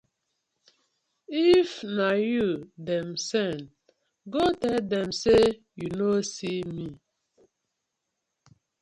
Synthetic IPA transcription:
ifnajudɛmsɛn | ɡotɛldɛmse | junosimi

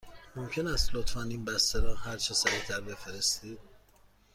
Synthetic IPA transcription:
momcʰe̞næst̪lot̪fɑːniːnbæst̪æɾɒːhæɾt͡ʃʰesæɾit̪ʰæɾbe̞feɾest̪iːd̪̥̚

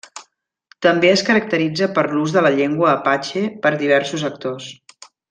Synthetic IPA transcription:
t̪əmbeəskəɾək̚t̪əɾid͡zəpəɾluzðələʎeŋɡwəːpat͡ʃepəɾðiβ̞ɛɾsuzək̚t̪os

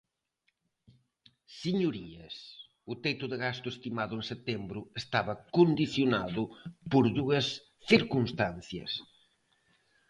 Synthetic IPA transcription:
siɲuɾiɐs | ʊt̪ejt̪ʊðɪɣast̪ʊest̪imaðʊẽŋset̪embɾʊest̪aβɐkond̪iθjonaðʊpoɾðuɐs | θiɾkunst̪anθjɐ̰s

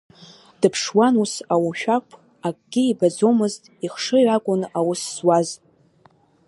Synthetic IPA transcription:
d̥ɨpʰʂwanusawaʃᶣakʷʰ | akʼɡ̥ʲɪibad͡zomɨztʼiχʂɨʕakʷʼʊnawʊsːwaz

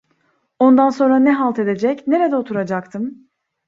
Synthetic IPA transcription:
o̞nd̪anso̞nɾanɛɦalˠt̪ʰe̞d̪e̞d͡ʒɛcne̞ɾed̪ɛot̪ʰuɾad͡ʒak̚t̪ʰɯm

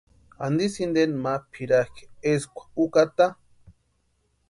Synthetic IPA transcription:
a̰nd̪isind̪enmapʰiɾake̥eskʷḁukat̪a

